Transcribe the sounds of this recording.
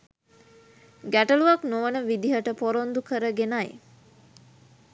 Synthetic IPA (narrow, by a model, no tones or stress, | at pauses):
ɡæʈəluʋaknoʋənəʋid̪iɦəʈəpoɾond̪ukəɾəɡenaj